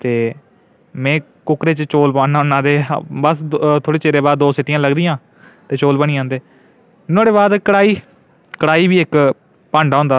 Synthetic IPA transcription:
t̪eː | mɛ̃ː | kʊkɾeːt͡ʃt͡ʃoːlpaːnːanːãːd̪eːbəst̪ʰoːɽeːt͡ʃeːɾeːbaːd̪ːoːsɪʈiːjãːləɡd̪iːãː | t̪eːt͡ʃoːlbəɳ̃iːãːnd̪eː | noːɽeːbaːd̪kəɽaːiː | kəɽaːiːbiːɪk | paːɳɖaːɦʊ̃nd̪aː

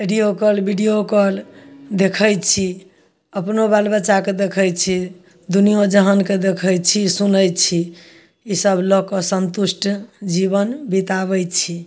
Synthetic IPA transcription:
iɖijokəlbiɖijokəld̪ekʰəjt͡ʃʰi | əpnobalbəːt͡ʃaked̪ekʰəjt͡ʃʰi | d̪unijod͡ʒəɦənked̪ekʰəjt͡ʃʰisunəjt͡ʃʰi | isəblɔkɔsənt̪usʈd͡ʒiβənbit̪aβəjt͡ʃʰi

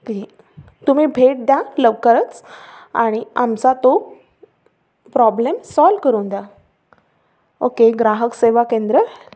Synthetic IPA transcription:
ki | t̪um̤ibʱeʈ̚d̪jaləʋkəɾət͡sa̰ɽ̃iamt͡sat̪o | pɾɔblemsɔlkəɾũːnd̪ja | okeɡɾaɦəkseʋakẽnd̪ɾə

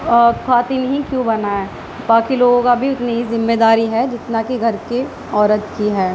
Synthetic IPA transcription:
ɔkʰaːt̪inɦĩkjũːbɐnaɛː | baːkiloːɡõkabʱiʊt̪neɦizɪmːeːd̪aːɾiɦɛd͡ʒɪt̪nakiɡʱɐɾke | ɔːɾət̪kiɦɛː

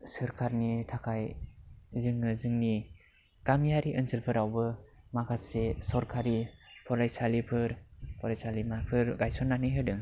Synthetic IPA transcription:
sɯɾkʰaɾnitʰakʰaj | zɯŋɯzɯŋni | kamijaɾiʔɯnsʰɯlpʰɯɾawbɯ | makʰasesɔɾkʰaɾipʰɔɾajsalipʰɯɾpʰɔɾajsalimapʰɯɾɡajsɔnːanɯjɦɯdɯŋ

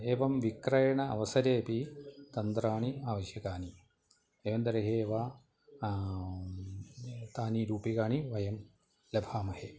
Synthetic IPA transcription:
eːʋɐmʋikɾɐjɐɳɐɐ̰ʋɐsɐɾeːpit̪ɐnd̪ɾaːɳiaːʋɐɕjɐkaːni | eːʋɐnd̪ɐɾɐɦeːʋa | t̪aːniɾuːpikaːɳiʋɐjɐm | lɐbʱaːmɐheː

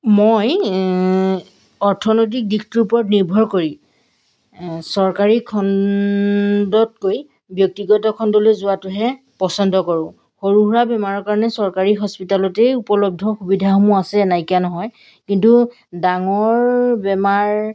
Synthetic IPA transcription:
moj | ɔɹtʰɔnojt̬ik̚dikʰtuɹpɹɔtniɹbʱɔɹkoɹi | sɔɹkaɹikʰɔn | dɔt̚koj | bjɔk̚tiɡɔtɔkʰɔndɔlojzʊwatʊɦɛ | pɔsɔndɔkɔɹʊ̃ | xoɹuɦuɹabɛmaɹɔɹkaɹɔnɛsɔɹkaɹiɦɔspitalɔtejupɔlɔb̚dʱɔxubidʱaɦɔmuasɛnajkianɔɦɔj | kintu | daŋɔɹbɛmaɹ

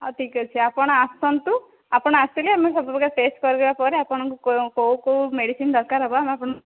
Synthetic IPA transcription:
ɔʈʰikɔt͡ʃʰiapɔɽ̃ɔast̪ɔnt̪u | apɔɽ̃ɔast̪iliamesɔbʱubɔɡaɾʈesʈkɔɾiɡebapɔɾeapɔɽ̃ɔŋkukowkowmeɽisind̪ɔɾkaɾɦɔbɔameapɔɽ̃ɔ

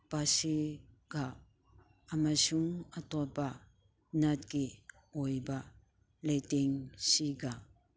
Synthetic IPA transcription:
pasi | ɡ̥aː | masuŋatɔba | nat̚ɡi | ɔjba | lajteŋsiɡa

